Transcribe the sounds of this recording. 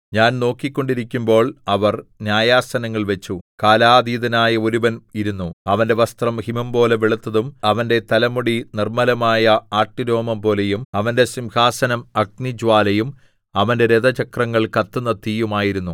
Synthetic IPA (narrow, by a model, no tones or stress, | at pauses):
ɲaːnno̞ːkːikʲːo̞ɳɖiɾikʲːumbo̞ːɭɐʋɐrnjaːjaːsɐnɐŋːɐɭʋe̞t͡ɕːukaːlaːd̪iːðɐnaːjɐoɾuʋɐniɾunːuɐʋɐnde̞ʋɐst̪rɐmhimɐmbo̞ːle̞ʋiɭut̪ːɐðumɐʋɐnde̞t̪ɐlɐmuɽinirmɐlɐmaːjɐaːʈːiɾo̞ːmɐmbo̞ːle̞jumɐʋɐnde̞simhaːsɐnɐmɐɡ̚nid͡ʑʋaːlɐjum | ɐʋɐnde̞ɾed̪ɐt͡ɕɐkrɐŋːɐɭkɐt̪ːunːɐt̪ːiːjumaːjiɾunːu